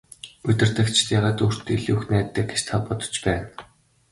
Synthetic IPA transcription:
ɵt̪ʲɪ̆r̥t̪ə̆kt͡ɕʰt̪jaːʁaːt̪uːr̥t̪iɮuxnæːt̪ːæːɡet͡ɕt̪ʰapɔt̪ɞ̥̆t͡ɕpæːn

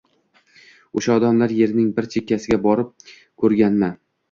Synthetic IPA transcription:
oʃaɒd̪amlaɾje̞ɾnɪŋbɪɾt͡ʃʰekʲːasɪɡʲabɒɾɪp̚ | kʰɵɾɡʲanma

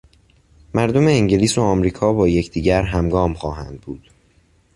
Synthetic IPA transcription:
mæɾd̪o̞meːŋɟeliːsoɒːmɾiːkʰɒːbɒːjecʰd̪iːɟæɾɦæmɡɒːmχɒːɦæ̰nd̪̚buːd̪̥

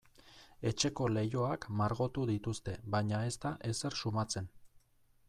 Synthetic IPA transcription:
e̞t͡ʃe̞ko̞le̞jo̞akmaɾɣo̞t̪uðit̪ust̪e̞βajɲae̞st̪aʔe̞se̞ɾsumat͡se̞n

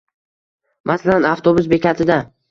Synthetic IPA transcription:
mʔasalanaft̪ʰobʊs̬be̞kʲat̪ʰɪd̪a

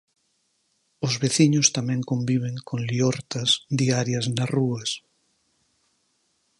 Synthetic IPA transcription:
ozβeθiɲʊst̪amɛ̃ŋkõmbiβ̞eŋkʰõŋlioɾt̪ɐsðiaɾjɐznaruɐs

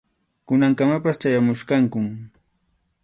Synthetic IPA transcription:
kʊnaŋkamapast͡ʃajamʊʃkaŋkʊm

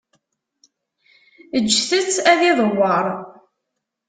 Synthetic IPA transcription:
əd͡ʒːθət͡sːæðiðˤəwːəɾˤ

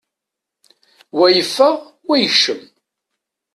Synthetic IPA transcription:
wæjəfːæ | wæjəʃəm

